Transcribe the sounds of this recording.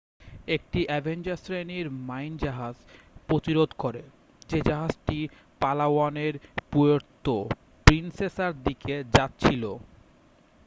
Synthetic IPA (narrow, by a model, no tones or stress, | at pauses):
ek̚ʈiʔɛbʱend͡ʑaɾsɾeniɾmajnd͡ʑaɦad͡ʑpɾot̪iɾod̪ʱkoɾe | d͡ʑed͡ʑaɦad͡ʑʈi | palawaneɾpuoɾt̪o | pɾinsesaɾd̪iked͡ʑatːt͡ɕʰilo